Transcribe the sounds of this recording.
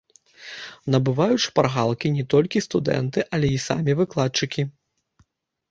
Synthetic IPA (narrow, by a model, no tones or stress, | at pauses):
nɐbɨvajut͡ʂparɣalˠkʲinʲɛt̪ɔlʲkʲist̪ud̪ɛ̰nt̪ɨʔɐlʲɛisa̰mʲivɨklˠat̪t͡ʂɨkʲi